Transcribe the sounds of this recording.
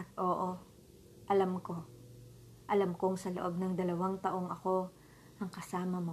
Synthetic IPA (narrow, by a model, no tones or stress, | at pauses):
ɐt̪̚ʔo̞ːʔo | ʔɐlɐmko | ʔɐlamkoŋsɐloʔo̞b̚nɐŋd̪ɐlɐwaŋt̪ɐʔo̞ŋɐko̞ | ʔɐŋkɐsaːmɐmo